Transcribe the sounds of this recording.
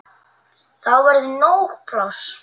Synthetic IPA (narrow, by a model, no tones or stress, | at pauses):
θawvaɾðnowɣpɾaws